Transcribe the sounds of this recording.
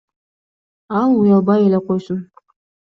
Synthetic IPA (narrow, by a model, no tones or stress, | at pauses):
ɑlˠujɑlˠbɑjelʲeqʰojsʊn